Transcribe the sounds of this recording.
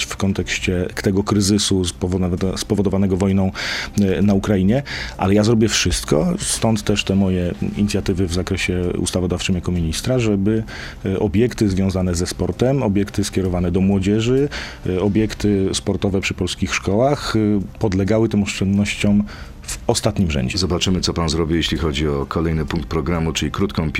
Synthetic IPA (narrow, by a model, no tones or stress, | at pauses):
fkɔnt̪ɛkɕt͡ɕɛt̪ɛɡɔkɾɘzɘsupɔvspɔvɔd̪ɔvanɛɡɔvɔjnɔ̃w̃naukɾaiɲɛʔa̰lɛjazɾɔbʲjɛfʂɘst̪kɔ̰st̪ɔnt̪t̪ːɛʂt̪ɛmɔjɛiɲit̪sʲjat̪ɘvɘvzakɾɛɕɛṵst̪avɔd̪aft͡ʂɘmjakɔmʲiɲist̪ɾaʐɛbɘ | ɔbʲjɛkt̪ɘzvʲjɔ̃w̃zanɛzɛspɔɾt̪ɛmɔbʲjɛkt̪ɘskʲɛɾɔvanɛd̪ɔmwɔd͡ʑɛʐɘ | ɔbʲjɛkt̪ɘspɔɾt̪ɔvɛpʂɘpɔlskʲixʂkɔwaxpɔd̪lɛɡawɘt̪ɛmɔʂt͡ʂɛnd̪nɔɕt͡ɕɔm | vɔst̪at̪ɲimʐɛ̰ɲd͡ʑɛzɔbat͡ʂɘmɘt̪sɔpanzɾɔbʲijeɕlʲixɔd͡ʑiɔkʰɔlɛjnɘpuŋkt̪̚pɾɔɡɾamut͡ʂɘlʲikɾut̪kɔ̃pʲ